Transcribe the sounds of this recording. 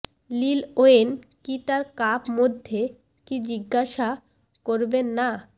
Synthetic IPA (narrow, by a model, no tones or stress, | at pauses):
liloen | kit̪aɾkapmod̪ʱːe | kid͡ʑiɡːaʃa | koɾbenːa